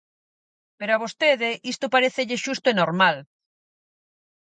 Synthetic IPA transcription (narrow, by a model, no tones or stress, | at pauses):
peɾoaβ̞ost̪eðeʔist̪ʊpaɾeθeʎɪʃust̪ʊenoɾmal